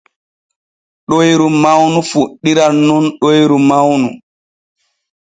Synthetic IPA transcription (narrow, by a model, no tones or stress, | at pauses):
ɗojɾumawnufuɗːiɾanːɔnɗojɾumawnu